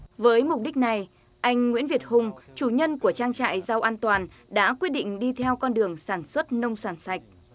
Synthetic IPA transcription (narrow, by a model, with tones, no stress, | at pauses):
vəː˨˦jmʊ˨˩k͡p̚ɗï˦˥k̟̚na˨˩j | ʔa˧jŋ̟ŋwi˧˥ənvi˨˩ət̚hʊ˨˧˩ŋ͡mt͡ɕu˧˩ɲə˧nku˧˩ət͡ɕaː˧ŋt͡ɕa̰ː˧˨jza˧wʔaː˧nt̪waː˨˩n | ɗa̰ː˧˥kwi˦˥ət̚ɗḭ˧˨ŋ̟ɗi˧t̪ʰɛ˧wkɔ˧nɗɨ˨˩əŋsaː˧˩nswə˦˥t̚nə˧wŋ͡msaː˧˩nsa˨˩jk̟̚